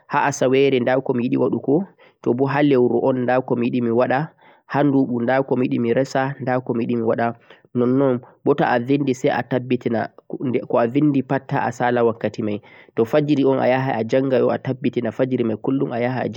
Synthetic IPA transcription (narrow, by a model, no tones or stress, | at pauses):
haʔasawɛɾɛndawkɔmijiɗḭwaɗukɔ | tɔbɔɦalewɾuʔɔnːdawkɔmijiɗimiwaɗa | handuɓundawkɔmijiɗimiɾɛsandakɔmijiɗimiwaɗa | nɔnːɔnbɔta̰ʔavindisɛjʔa̰tabːitina̰ɛkɔavinːdipatːa̰ʔa̰salawakːatimaj | tɔfad͡ʒɾiɔnʔa̰jaɦa̰ʔad͡ʒaŋɡajɔatabːitinafad͡ʒɾimajkulːumajaɦaa̰d͡ʒ